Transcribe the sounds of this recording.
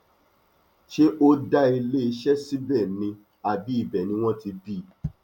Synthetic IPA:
ʃe˦ʔo˦da˦i˧le˦i˧ʃɛ˦si˦bɛ˦˨nĩ˧ | a˨bi˨˦i˦˨bɛ˨nĩ˧w̃ɔ̃˦ti˧bi˦˨

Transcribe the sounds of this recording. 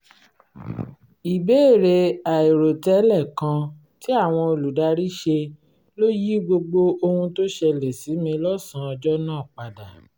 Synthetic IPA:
i˨be˦e˦˨ɾe˧a˨i˨ɾo˨tɛ˧˦lɛ˦˨kã˧ | ti˦a˦˨w̃ɔ̃˧o˧lu˨da˧ɾi˦ʃe˧ | lo˦ji˦ɡ͡bo˧ɡ͡bo˧o˧hũ˧to˦ʃɛ˧lɛ˨si˨˦mĩ˧lɔ˦˨sã˨˦ɔ˧d͡ʒɔ˦nãː˦˨k͡pa˨da˨

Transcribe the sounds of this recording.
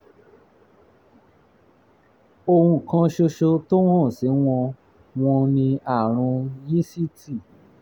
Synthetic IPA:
o˧hũ˧˨kã˧ʃo˧ʃo˧to˦w̃ɔ̃˦˨se˨˦w̃ɔ̃˧ | w̃ɔ̃˧nĩ˧a˦˨ɾ̃ũ˧ji˦si˦ti˦˨

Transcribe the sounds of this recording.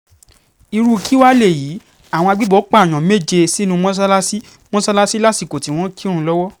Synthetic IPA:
i˧ɾu˦˧kʰi˦wa˦le˦˨jiː˨˦ | a˦˨w̃ɔ̃˧a˧ɡ͡bi˦bɔ˨˦k͡pa˦˨j̃ɔ̃˨me˦˨d͡ʒe˧si˦nũ˧mɔ̃˦s̬a˦la˦si˦ | mɔ̃˦sa˦la˦si˦la˦ti˦˨ko˨ti˨˦w̃ɔ̃˦ki˦ɾ̃ũ˦˧lɔ˦wɔ˦

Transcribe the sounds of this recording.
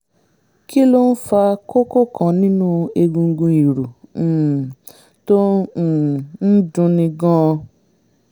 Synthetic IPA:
ki˦lo˦n̩˦fa˧ko˦ko˦kʰã˨˦nĩ˦nũ˦e˧ɡũ˧ŋ˦ɡũ˧i˨ɾu˨ | to˦˨ | n̩˦dũ˧nĩ˧ɡɔ̃˦ɔ˧

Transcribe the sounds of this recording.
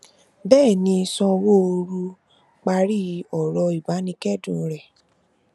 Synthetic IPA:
bɛː˦˨nĩ˧sɔ̃˧wo˦o˧ɾu˧ | k͡pa˧ɾi˦ɔ˨ɾɔ˧i˨ba˨˦nĩ˧kɛ˦˨dũ˦˨˧ɾɛ˨

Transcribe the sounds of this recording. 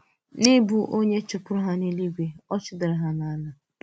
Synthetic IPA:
nɪ˦bu˦ʔo˦ɲe˦t͡ʃʊ˨pʊ˦ɾʊ˦ɦa˦ni˦li˦ɡʷe˦ɔ˦t͡ʃɪ˦dɪ˨ɾɪ˨ɦa˦na˨a˦na˨

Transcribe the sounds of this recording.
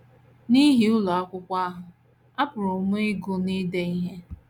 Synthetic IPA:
ni˦ɦi˦ʊ˦lɔ˨a˦kʷʊ˦kʷa˦ɦʊ˨ | a˦pʊ˨ɾʊ˨˦mʊ˦ɪ˦ɡʊ˦ni˦de˦i˦ɦe˦

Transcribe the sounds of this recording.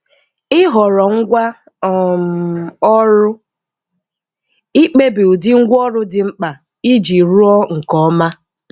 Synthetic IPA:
ɪ˦ɦɔ˨ɾɔ˨ŋ̩˦ɡʷa˦˨ | m˨ɔ˦ɾʊ˦ | i˦k͡pe˦bi˨u˨dɪ˦ŋ̩˦ɡʷɔ˦ɾʊ˦dɪ˨ŋ͡m̩˦k͡pa˨ | i˦d͡ʒi˨ɾu˦ɔ˦ŋ̩˨kɔ˨˦ma˦

